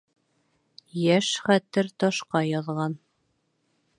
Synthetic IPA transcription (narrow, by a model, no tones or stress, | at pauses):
jæʃχæt̪ɘɾt̪ɒʃqɑjɑðʁɑn